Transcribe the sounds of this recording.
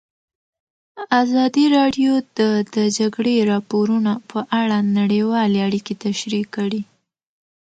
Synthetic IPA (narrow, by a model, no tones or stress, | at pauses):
azɑd̪iɾɑɖjod̪əd̪əd͡ʒaɡɽeɾɑpoɾunapʰəʔaɽanaɽewɑleaɽiket̪aʃɾikːəɽi